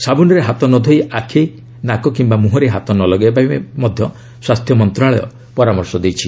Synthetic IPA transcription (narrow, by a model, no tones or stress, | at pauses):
sabunɔɾeɦat̪ɔnɔd̪ʱojʔakʰe | nakɔkimbamuɦɔɾeɦat̪ɔnɔlɔɡepamɔd̪ʱjɔ | swast̪ʰjɔmɔnt̪ɾaɭɔjɔ̰ | pɔɾamɔɾsɔd̪ejt͡ʃʰi